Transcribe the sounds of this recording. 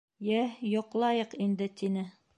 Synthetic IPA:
jæjŏqlˠɑjɤqind̪ɘt̪inɘ

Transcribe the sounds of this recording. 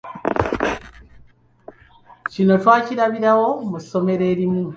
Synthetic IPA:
cino̞twaːciɾaβiɾawo̞muso̞me̞ɾe̞ːɾimu

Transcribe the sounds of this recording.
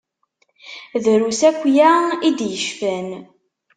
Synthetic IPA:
ðɾusækʷːjaid̪jəʃfæn

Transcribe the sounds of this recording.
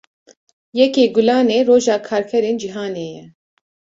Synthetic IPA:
jɛkeːɡulɑːneːɾoːʒɑːkʰaːɾkʰɛɾeːnd͡ʒiɦaːneːjɛ

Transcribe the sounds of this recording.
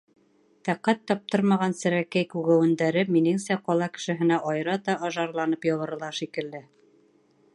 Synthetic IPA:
t̪æqːæt̪ːɒp̚t̪ɤɾmɑʁɑnsɘ̆ɾækæjkʉɣæwɘ̆nd̪æɾɘminɘŋsæqɒlˠɑkɘ̥̆ʃɘ̆ɦɘ̆næʔɑjɾɑt̪ɑʔɑʒɑɾlˠɑnɤpjɑlˠɤ̆ɾɤ̆lˠɑʃikɘ̆ld̪ɘ

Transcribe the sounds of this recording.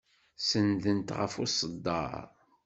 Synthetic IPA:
sənðənt̪ʁə̰fʊsəd̪ːɑ̰ɾ

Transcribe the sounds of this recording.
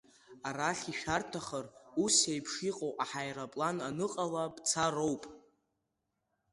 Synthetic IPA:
aɾaχʲiʃᶣartʰaχərusejpʰʂiqʼowʔʼaħajrapʼlananɨqʼalapʼt͡sʰarowpʼ

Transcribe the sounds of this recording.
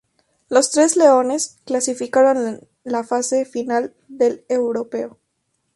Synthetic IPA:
lo̞st̪ɾe̞sle̞o̞ne̞sklasifikaɾo̞n | lafase̞final | d̪e̞le̞wɾo̞pe̞o

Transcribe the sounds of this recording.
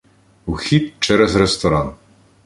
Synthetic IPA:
uxʲit̪t͡ʃɛɾɛzɾɛst̪ɔɾan

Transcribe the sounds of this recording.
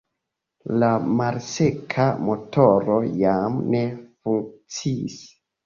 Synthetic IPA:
lamalse̞kʰamo̞tʰo̞ɾo̞jamne̞fuŋk̚t͡sḭːs

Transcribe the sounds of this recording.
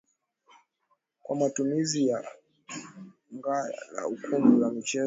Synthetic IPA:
kwamatumizija | ŋɡala̰ukʰumbulamit͡ʃɛ

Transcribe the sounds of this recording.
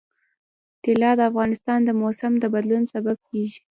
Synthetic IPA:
t̪ɪlɑd̪əafɣɑnɪst̪ɑnd̪əmosamd̪əbad̪lunsabab̚keʒi̥

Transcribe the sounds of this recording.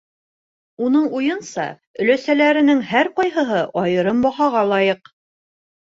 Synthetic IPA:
unɤɴujɤnsɑ̰ | ɵ̆læsælæɾɘ̆nɘŋhæɾqɒjɦɤ̆ɦɤʔɒjɤ̆ɾɤmbɒhɑʁɑlˠɑjɤq

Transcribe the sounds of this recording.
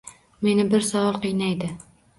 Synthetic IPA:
me̞nɪbɪɾsɒɒlˠqʰɨjnajd̪ɪ

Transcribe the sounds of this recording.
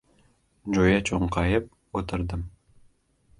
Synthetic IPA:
d͡ʒojɑt͡ʃʰoɴqʰɑjəp̚ | ot̪ə̆ɾd̪əm

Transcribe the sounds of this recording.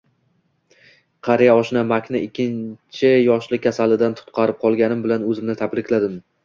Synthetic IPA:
qʰɑɾijaɒʃɪnamakʲnɪɪkʲːɪnt͡ʃʰɪjɒʃlɪkʲʰasalɪd̪ant̪ʰʊ̥t̪̚qʰɑɾɪp̚qʰɒlˠɡʲanɪmbɪlanɵzɪmnɪt̪ʰabɾɪkʲʰlad̪ɪm

